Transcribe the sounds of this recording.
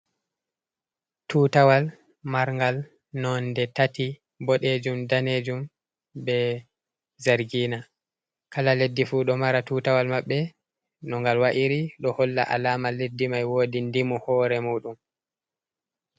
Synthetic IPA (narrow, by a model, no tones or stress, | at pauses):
tutawal | maɾŋɡal | nɔndɛtati | bɔɗed͡ʒumdaneːd͡ʒum | bɛ | zaɾɡiːna | kalaledːifuːɗɔmaɾatuːtawalmaɓːɛ | nɔŋɡalwaʔiɾiɗɔhɔlːa̰ʔa̰laːmaledːimajwoːdindimɔhɔːɾɛmuːɗum